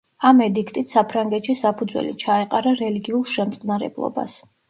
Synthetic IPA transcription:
amɛd̪ikʰt̪ʼit̪ʰsapʰɾaŋɡɛt̪ʃisapʰud̪zwɛ̰lit͡ʃʰaɛqʼaɾaɾɛliɡiulˠʃɛmt̪sʼqʼnaɾɛ̰blˠɔ̰ba̰s

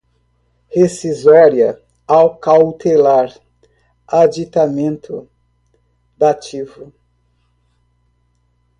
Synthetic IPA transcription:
hesizɔɾjɐ | awkawt̪elaɾ | ad͡ʒit̪amẽnt̪ʰʊ | d̪at͡ʃivʊ

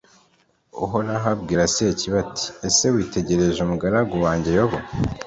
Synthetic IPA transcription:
ṵɦoɾaɦabɡiːɾasieciβatʰi̥ese̞wiːte̞ɟe̞ɾe̞ʒumuɡaɾaɡuwaːɲɟe̞joβo

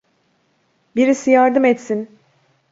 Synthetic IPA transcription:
biɾisijaɾd̪ɯmɛt̪sin

